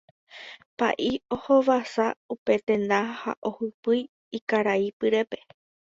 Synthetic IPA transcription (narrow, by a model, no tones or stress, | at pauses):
pa̰ʔiohoʋasaupe̞t̪ẽ̞nd̪ãha̰ʔo̞hupɨj | ikaɾaipɨɾe̞pe̞̥